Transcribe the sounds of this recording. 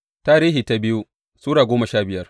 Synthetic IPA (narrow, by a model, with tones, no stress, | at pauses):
taː˦ɾiː˦ɦiː˨ta˦bɪ˦ju˦ | suː˦ɽaː˨ɡʷoː˦mɐ˨ʃaː˦bɪ˨jɐ˦r